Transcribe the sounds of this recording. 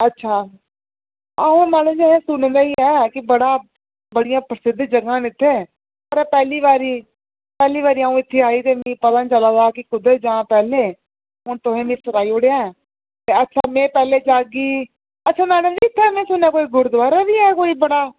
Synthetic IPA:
ətːʃʰaː | aːɦũːmɛːnũːd͡ʒɛːɦẽːsʊñnd̪aːiːɛːkɪbəɽaː | bəɽɪjãːpɾəsɪd̪d͡ʒəɡãːnɪt̪ʰːẽː | əɾɛːpɛːliːʋaːɾiː | pɛːliːʋaːɾiːaːũːɪt̪ʰːeːaːiːt̪eːmĩːpət̪ãːnt͡ʃəlãːd̪aːkɪkʊd̪əd͡ʒãːpɛːleː | ɦʊɳt̪ʊɦẽːmĩːsʊɾaːiːoːɽejãːɛː | t̪eːətːʃʰaːmẽːpɛːleːd͡ʒaːɡiː | ətːʃʰaːmɛːnəmd͡ʒiɪt̪ʰːɛːmẽːsʊnaːkoːiːɡʊɾd̪ʋaːɾabiːɛːkoːiːbəɽaː

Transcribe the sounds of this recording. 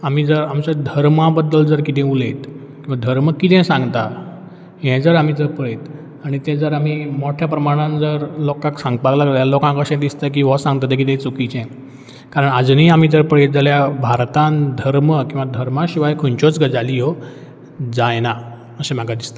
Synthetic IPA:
am̤iːd͡zəɾamt͡ɕad̪ʱəɾmãbəd̪ːəld͡zəɾkit̪ʰɛ̃ulet̪ | kĩw̃ʋad̪ʱəɾməkit̪ʰɛ̃sãŋɡt̪a | ɦɛ̃d͡zəɾam̤id͡zəɾpəɭet̪ | aɽ̃it̪ɛ̃d͡zəɾam̤imoʈʰjapɾəmaɽ̃ãnd͡zəɾlokãksãŋɡpaɡlakəjalokãŋkəɕɛ̃t̪d̪ist̪ək̬iʋəsãŋɡt̪at̪̬ẽkit̪ɛ̃t͡sukit͡ɕɛ̃ | kaɾəɳad͡zniam̤id͡zəɾpəɭet̪̚d͡zaljabʱaɾt̪ãnd̪ʱəɾməkĩw̃ʋad̪ʱəɾmãɕiʋajkʰont͡ɕot͡sɡəd͡zaliɦɔ | d͡zajna | əɕɛ̃m̤aɡad̪ist̪a

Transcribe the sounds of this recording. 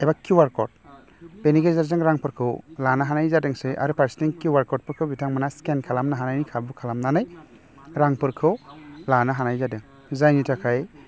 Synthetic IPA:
ejbakuwaɾkɔɾt̚ | peniɡezaɾzaŋɾaŋpʰɯɾkʰɯwlanaɦanajzadeŋsejʔa̰ɾɯpaɾsiteŋkuwaɾkɔɾt̚pɯɾkʰɯwbitʰaŋmanaskenkʰalamnaɦanajnikʰabukʰalamnanaj | ɾaŋpɯɾkʰɯwlanaɦanajzadɯŋ | zajnitʰakʰaj

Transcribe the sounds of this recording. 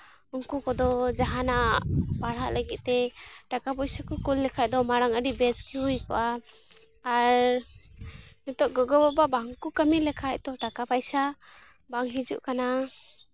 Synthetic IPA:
ɔŋkukɔd̪ɔd͡ʒaɦanabaɽaʔləɡit̪̚t̪ɛʈakapɔjsakukulːɛkʰaj̚d̪ɔmaɾaŋəɾibɛskiujkɔʔaː | ɾ | nit̪ɔʔɡɔɡɔbɔbabaŋkukəmilɛkʰaj̚d̪ɔʈakapajsa | baŋɦid͡ʒuʔkana

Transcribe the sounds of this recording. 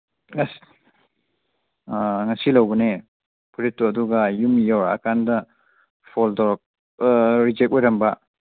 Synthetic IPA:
ŋɐs | ŋɐsilɐwbɐne | pʰuɾitːuɐduɡɐjumijawɾaɐ̰kandɐ | pʰoldɔɾɔk̚ | ɾid͡ʒek̚wejɾɐmbɐ

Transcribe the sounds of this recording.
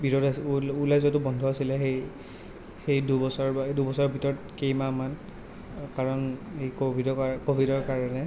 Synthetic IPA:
bʱiɹɔdaulajzɔtʊbɔndʱɔasilɛxej | xejdubɔsɔɹadubɔsɔɹbʱitɔɹɔt̚kejmaman | kaɹɔnejkobʱidɔkobʱidɔɹkaɹɔnɛ

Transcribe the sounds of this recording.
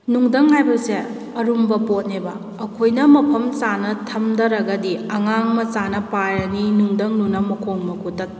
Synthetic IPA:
nuŋdɐŋɦajbɐse | ɐɾumbɐpot̚nebɐː | kʰojnɐmɐpʰɐmt͡ʃanɐtʰɐmdɐɾɐɡɐdiɐŋaŋmɐt͡ʃanɐpajɐninuŋdɐŋnunɐmɐkʰoŋmɐkutɐt̚

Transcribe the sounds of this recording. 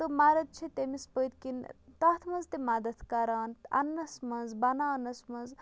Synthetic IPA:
t̪ɨmaɾɐt̪̚t͡ʃʰit̪emispəjt̪̚kint̪ɐt̪ʰmɐnzt̪emɐd̪ɐt̪ʰkɐɾaːnɐ̰nːɐsmɐnzbɐnaːnɐsmɐnz

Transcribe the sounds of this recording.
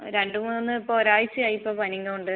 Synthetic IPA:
ɾe̞ɳɖumuːnːɨipːoːɾaːjit͡ɕːɨɐːjipːɐːpɐniŋːɐmuɳɖɨ

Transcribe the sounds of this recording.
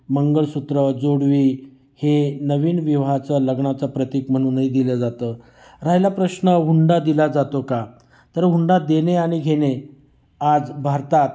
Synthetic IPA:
məŋɡəɭsut̪ɾəd͡zoɽʋiː | henəʋiːnʋiʋat͡saləɡɳat͡sapɾət̪ikm̤əɽ̃uːnːəid̪iləd͡zat̪əː | ɾajlapɾəɕnəɦuɳɖad̪ilad͡zat̪oka | t̪əɾɦuɳɖad̪eneaɽ̃iɡʱeɽe | ad͡zbʱaɾt̪at̪

